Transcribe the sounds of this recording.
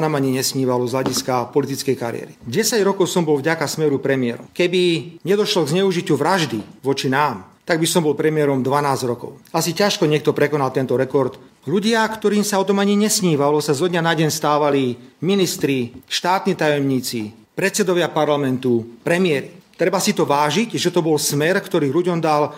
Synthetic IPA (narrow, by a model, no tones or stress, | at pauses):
naːmaɲiɲɛsɲiːʋalɔzɦlaɟiskapɔlit̪it͡skɛjkaɾɪ̰ɛ̰ɾḭɟɛsaɟɾɔkɔʊsɔmbɔlvɟakasmɛɾupɾɛmɪɛ̰ɾɔ̰mkɛbiɲɛd̪ɔʃlɔɡzɲɛuʒicuʋɾaʒd̪iʋɔt͡ʃinaːmt̪aɡbisɔmbɔlpɾɛmɪɛɾɔmd̪ʋanaːzɟɾɔkɔ̰ʊasicaʃkɔɲɪɛkt̪ɔpɾɛkɔnalt̪ɛnt̪ɔɾɛkɔɾt̪ | luɟɪakt̪ɔɾiːmsaɔt̪ɔmaɲiɲɛsɲiːʋalɔsazɔd̪ɲanaɟɛɲst̪aːʋaliminist̪ɾiʃt̪aːt̪niːt̪ajɔmɲiːt͡si | pɾɛt̪t͡sɛd̪ɔʋɪapaɾlamɛnt̪upɾɛmɪɛɾit̪ɾɛbasit̪ɔʋaːʒicʒɛt̪ɔbɔlsmɛɾkt̪ɔɾiːluɟɔmd̪al